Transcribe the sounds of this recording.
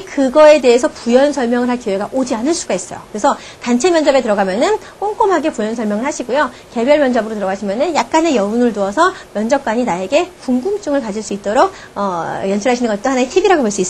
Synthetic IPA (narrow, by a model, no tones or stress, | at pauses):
kɯɡʌe̞de̞esʰʌpujʌnsʰʌɭmjʌŋɯɭɦaɭkjowe̞ɡaʔod͡ʑianɯɭs͈uɡais͈ʌ̰jo̰kɯɾesʰʌ | tant͡ɕʰe̞mjʌnd͡ʑʌbe̞tɯɾʌɡamjʌnɯn | k͈oŋk͈ʌmɦaɡe̞pujʌnsʰʌɭmjʌŋɯɭɦaɕʰiɡujoke̞bjʌɭmjʌnd͡ʑʌbɯɾotɯɾʌɡaɕʰimjʌnɯnjak̚k͈ane̞jʌunɯɭtuʌsʰʌmjʌnd͡ʑʌk̚k͈waɲinae̞ɡe̞kuŋɡumt͡ɕ͈uŋɯɭkad͡ʑiɭs͈uit̚t͈oɾok̚ | ʌjʌnt͡ɕʰɯɾɦaɕʰinɯnɡʌt͈̚ohanaetʰibiɾaɡopoɭs͈uis͈